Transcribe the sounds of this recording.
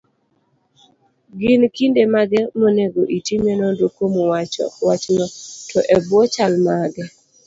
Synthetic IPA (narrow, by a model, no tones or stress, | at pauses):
ɡɪnkindemaɡɛmoneɡoʔitimenɔdokomowat͡ʃɔ̰wat͡ʃnɔtɔʔɛbwɔt͡ʃalmaɡɛ